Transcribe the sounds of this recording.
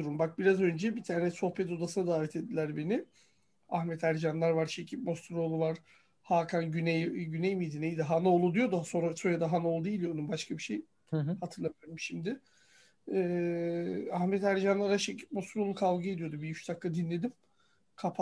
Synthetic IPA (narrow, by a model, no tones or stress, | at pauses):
uɾumbak̚biɾazø̞nd͡ʒɛbit̪ʰaːɾnɛso̞hpɛt̪̬o̞d̪asɯnad̪aːvɛt̪ʰe̞d̪ːilʲæɾbe̞nɪ | ahmɛt̪ʰæɾd͡ʒanlˠaɾvaɾʃecʰip̚mo̞st̪ɾo̞lˠuvaɾ̥ | haːkʰanɟynɛjɟynejmid̪inejid̪iɦano̞lˠud̪ijo̞d̪usoso̞jad̪aɦanaolˠd̪ejlʲijod̪umbaʃkʰabiʃej | hat̪ʰɯɾlˠamɾmʃimd̪ɪ | ɛː | ahmɛt̪ʰæɾd͡ʒanlˠaɾaʃecʰi̥p̚most̪ɾolˠukʰalˠɡɯed̪ijo̞d̪ubiyt͡ʃd̪akːad̪inlʲe̞d̪im | kʰapʰ